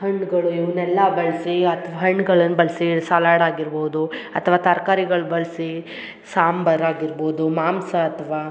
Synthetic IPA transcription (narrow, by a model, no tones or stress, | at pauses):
ɦɐɳːɡɐɭuiʋɐnɛlːɐbɐɭsiɐt̪ʰɐʋaɦɐɳːɡɐɭɐnːubɐlsisaːlaːɽaːɡiɾboːd̪uɐt̪ʰʋaːt̪ɐɾkaːɾiɡɐɭubɐlsi | saːmbɐɾaːɡiɾboːd̪umaːmsɐːt̪ʰɐʋaː